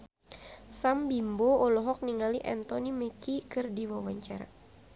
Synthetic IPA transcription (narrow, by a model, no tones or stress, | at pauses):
sambimboɔlɔɦɔk̚niŋaliʔant̪ɔnimɛkikɨrdiwawaɲt͡ʃaɾa̰